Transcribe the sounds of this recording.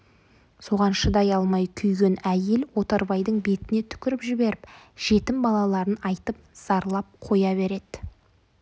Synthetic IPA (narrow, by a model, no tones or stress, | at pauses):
so̞ʁɑnʃəd̪ɑjɑlˠmɑjkʲʰʏjɡʲe̞næje̞lwo̞t̪ɑɾbɑjd̪əɴbe̞t̪ɪne̞t̪ʰʏ̥kʲɪɾɪpʒɪbe̞ɾɪpʒ̥e̞t̪ɪmbɑlˠɑlˠɑɾənɑjt̪əp̚z̥ɑɾlˠɑp̚qʰo̞jɑβe̞ɾe̞d̪̥ɪ